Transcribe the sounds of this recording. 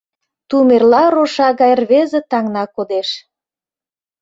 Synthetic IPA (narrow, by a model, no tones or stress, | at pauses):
t̪umerlɑɾoʃɑɣɑjərβezĕt̪ɑŋnɑkod̪eʃ